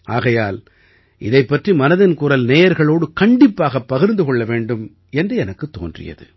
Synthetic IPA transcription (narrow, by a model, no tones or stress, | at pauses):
ʔaːɣɐjaːl | ʔɪðɐɪpːɐʈrimɐnɐðɪnkuɾɐlneːjɐɾɣɐɭoːɽɯkɐɳɖɪpːaːɣɐpːɐɣɪɾnd̪ɯkɔɭːɐʋeːɳɖɯm | ɛndrɯɛnɐkːɯt̪ːo̰ːndrɪ̰jɐ̰ðɯ̰